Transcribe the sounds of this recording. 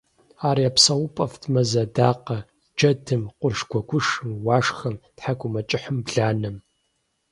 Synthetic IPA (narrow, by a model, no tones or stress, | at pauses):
aːɾiapsɐwʊpʼɐftʰmɐzɐdaːqɐ | d͡ʒɐdʰɨmqʷʊrʂɡʷɔɡʷʊʂɨmwaːʂxɐmtħakʷʼʊmɐt͡ʃʼɪħəmbɮaːnɨm